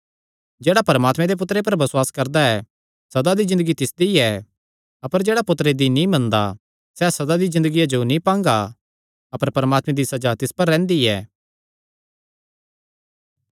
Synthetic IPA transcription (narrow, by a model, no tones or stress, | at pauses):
d͡ʒeːɽapɐɾəmaːt̪mɛ̃d̪ep̬ʊt̪ːɾep̬ɐɾbɐswaːskɐɾd̪aɛ | sɐd̪ad̪izɪ̃nd̪əɡit̪ɪsd̪iɛ | ɐpəɾd͡ʒeːɽapʊt̪ɾed̪inĩmɐ̃nd̪a̰ | sɛːsɐd̪ad̪izɪ̃nd̪əɡijad͡ʒonĩpãːŋɡa | ɐpəɾpɐɾəmaːt̪mɛ̃d̪isɐd͡ʒat̪ɪspɐɾːɛ̃ːnd̪iɛː